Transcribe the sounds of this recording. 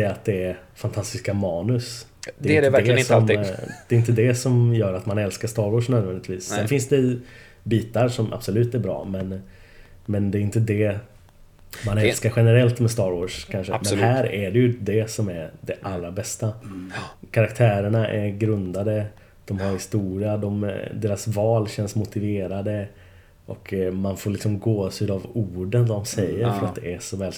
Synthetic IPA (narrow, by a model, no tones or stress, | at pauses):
sɛjaat̪̚d̪ɛæɾfant̪ʰast̪ɪskamɑːnɵsd̪ɛɪəæɛsɔmd̪̥ɛɪnt̪əd̪ɛsɔmjœːɾat̪manɛlskast̪ɑːɾwɔːʂnœːd̪vɛnd̪ɪt̪viːssɛnfɪnsd̪ɛ | biːt̪aɾʂɔmʔa̰b̥sɔlʉ̟ːt̪æɾbɾɑ̰ːmɛn | mɛnd̪ɛːɾɪnt̪əd̪ɛ | manɛlskaɾɧɛnəɾɛlt̪mɛst̪ɑːɾvoːʂkʰanʂəmɛnhæːɾæɖɛjɵd̪ɛsɔmæɾd̪ɛʔalːɾabɛst̪a | kʰaɾak̚t̪ʰæːɾəɳaʔɛɾɡɾɵnd̪ad̪ə | d̪̥ɔmhaɾhɪst̪uːɾɪad̪ɔmd̪eːɾasvɑːlɕɛnsmʊt̪ɪveːɾad̪ə | ʔɔkmanfoːɭlɪksɔmɡoːsyd̪avuːɖənʋad̪ɔmsɛjːəɾfœɾat̪̚d̪ɛʔæʂɔvɛːl